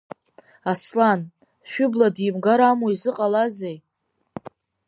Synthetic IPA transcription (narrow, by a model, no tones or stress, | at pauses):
aslan | ʃᶣʊbladimɡaɾamoizɨqʼalazej